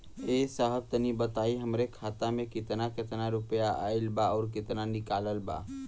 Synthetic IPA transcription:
esəɦəb̚t̪ənibət̪aiɦəmɾekʰaːt̪amẽkɪt̪nakɪt̪naɾʊpjaʔa̰ilbaɔːɾk̬ɪt̪nanɪkaːləlba̰

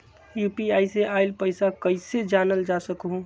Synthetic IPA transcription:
jupiaiseʔaɪlpəɪsakəɪsed͡ʒanəld͡ʒasəkɦũ

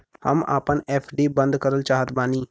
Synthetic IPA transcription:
hə̰ma̰ːpənɛːpʰɖiːbə̃nd̪kəɾəlt͡ʃaːɦət̪baːniː

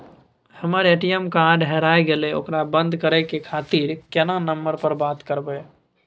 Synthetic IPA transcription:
həməɾeːʈijəmkaːɖɦɛɾaːeɡeleo̰kɾabə̃nd̪ʱkəɾɛkekʰaːt̪iɾkɛnãnəmbəɾpəɾbaːt̪kəɾbəe

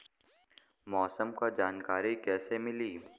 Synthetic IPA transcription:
mɔːsəmkad͡ʒaːnkaːɾikɛːsemɪliː

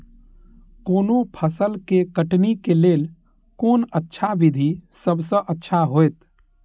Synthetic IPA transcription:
koːnopʰəsəlkekəʈnikeleːl | konətːʃʰabid̪ʱisəbʱsə̃ʔətːʃʰaɦojt̪

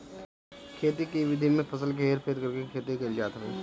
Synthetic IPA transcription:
kʰeːt̪ikiʋɪd̪ʱimẽpʰɐsəlkeːɾpʰeːɾkɐɾkekʰeːt̪ikeld͡ʒaːt̪ɾɛː

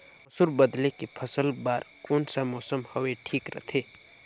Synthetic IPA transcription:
ʊsuɾbəd̪lekepʰəsəlbaːɾkoːnsamoːsəmhoweʈʰiːkɾə̰t̪ʰe

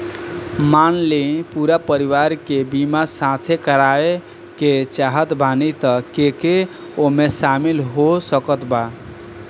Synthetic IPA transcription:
manlepuɾapəɾiʋaɾkebimasat̪ʰekəɾae | ket͡ʃaɦət̪bʱanit̪əkeke | omesamilɦosəkət̪ba

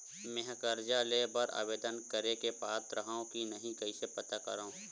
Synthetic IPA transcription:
mẽɦkəɾd͡ʒalebəɾa̰ʋeːd̪ənkəɾekepaːt̪ɾɐɦaõkinɐɦĩkɐisepɐt̪akɐ̰ɾaũː

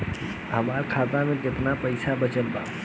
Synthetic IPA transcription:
ɦɐmaːɾkʰaːt̪amẽkɪt̪napɐɪsabət͡ʃəlt̪a̰ː

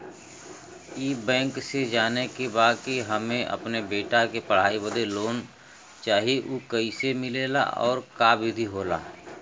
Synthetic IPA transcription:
iːbɛ̃ːŋksed͡ʒaːnekebaːd̪̚kiɦəmẽʔə̰pnebeːʈakepəɽ̤aːibəd̪eloːn | t͡ʃaːɦieʔuːkɐisemɪleːla̰ʔɔ̰ːɾkaːbɪd̪ʱiɦoːla̰ː

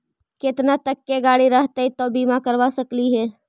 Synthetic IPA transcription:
ket̪nat̪əkːeɡaːɽiɾəɦt̪eit̪obiːmakəɾʋasəkliɦɛː

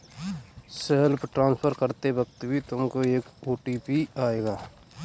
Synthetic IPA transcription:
selpʈɾãːnspʰəɾkəɾt̪ebəkt̪bʱit̪ʊmkoeːkoːʈiːpiaːeːɡaː

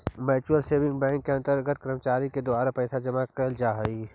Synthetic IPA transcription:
mɛːt͡ʃuəlseːʋɪ̃ŋɡbɛ̃ːŋkːeɐ̃nt̪əɾɡət̪̚kɾəmət͡ʃaːɾiked̪ʊaːɾapɛɪsad͡ʒɐmakəld͡ʒaːɦi

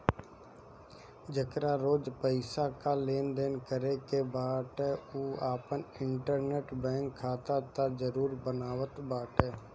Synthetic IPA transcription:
d͡ʒəkɾaːɾoːd͡ʒpəɪsakaːleːnd̪eːnkəɾekeːbaːʈ̪ɛːuːaːpənɪɳʈəɾneːʈbɛ̃ːŋkʰːaːt̪at̪ad͡ʒəɾuːɾbənaːʋət̪baːʈɦɛː

